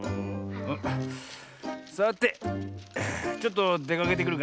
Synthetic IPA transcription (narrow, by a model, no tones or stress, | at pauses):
soat̪ːe̞ | t͡ɕot̪ːo̞d̪e̞kake̞t̪̬e̞kɯɾɯ̟k